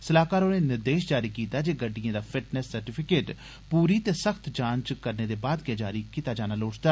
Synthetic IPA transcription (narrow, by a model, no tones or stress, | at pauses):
səlaːkaːɾoːneːnɪɾd̪eːʃd͡ʒaːɾiːkiːt̪aːd͡ʒeːɡəɖːɪjãːd̪aːpʰɪʈnɛsːəɾʈɪːpʰɪkeːʈ | puːɾiːt̪eːsəkʰt̪d͡ʒãːnt͡ʃkəɾneːd̪eːbaːd̪ɡɪjaːd͡ʒaːɾiːkiːt̪aːd͡ʒaːnaːloːʈd̪aː